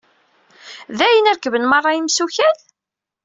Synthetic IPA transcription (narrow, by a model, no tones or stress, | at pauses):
ðæjənæɾkəvənmɑrˤːɑimsuçæð